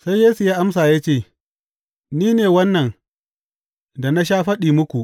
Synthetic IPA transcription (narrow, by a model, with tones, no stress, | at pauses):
sa˦jːeː˦su˨jaː˦ʔa˦msaː˨ja˦t͡ʃeː˦˨ | niː˦neː˨wɐ˦nːɐ˨n | da˨na˦ʃ̬aː˦ɸɐ˦ɗiː˨mʊ˦kʷu˨ʔ